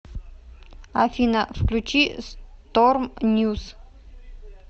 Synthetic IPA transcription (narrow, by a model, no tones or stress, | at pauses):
afʲinafklʲut͡ʃist̪ormnʲjus